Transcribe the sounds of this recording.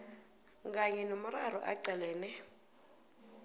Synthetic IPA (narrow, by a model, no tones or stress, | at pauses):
ŋɡaɲɛnomʊrarɔ̰ʔaǀɛlɛːnɛ